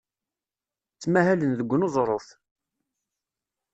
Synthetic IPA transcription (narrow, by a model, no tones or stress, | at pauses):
t͡sːmæhælənðəɡʷːənozˤɾˤoθ